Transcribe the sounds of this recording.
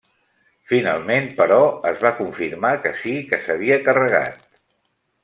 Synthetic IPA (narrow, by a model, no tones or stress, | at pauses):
fina̰lˠmenpəɾɔəzβakuɱfiɾmakəsikəsəβiəkərəɣ̞a̰t̪̚